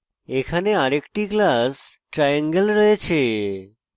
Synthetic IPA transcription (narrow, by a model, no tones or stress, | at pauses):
ekʰaneaɾekʈiklas | ʈɾajaŋɡəlɾɔet͡ɕʰe